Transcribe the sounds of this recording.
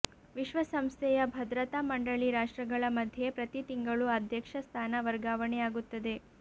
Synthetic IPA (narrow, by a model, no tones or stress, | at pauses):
ʋiʃʋɐsɐmst̪ʰɛjɐbʱɐd̪ɾɐt̪aːmɐɳɖɐɭiɾaːʂʈɾɐɡɐɭɐmɐd̪ʱjepɾɐt̪it̪iŋɡɐɭuɐd̪ʱjɐkʂɐst̪ʰaːnɐʋɐɾɡaːʋɐɳɛjaːɡut̪ːɐd̪e̞